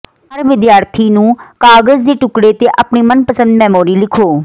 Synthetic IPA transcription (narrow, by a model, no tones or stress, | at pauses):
əɾʋɪd̪jaːɾt̪ʰiːnũːkaːɡəzd̪eːʈʊkɽeːt̪eːʔapɳiːmənpəsə̃nd̪mɛːmoːɾiːlɪkʰoː